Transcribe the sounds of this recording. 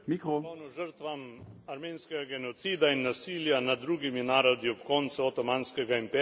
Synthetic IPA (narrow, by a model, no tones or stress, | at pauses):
mikɾoɔwnɔʒəɾt̪ʋamaɾmeːnskɛɡaɡɛnɔt̪siːd̪ainːasiːljanad̪̚ːɾuːɡiminaːɾɔd̪iɔpkɔnt̪suɔt̪ɔmaːnskɛɡaimpɛ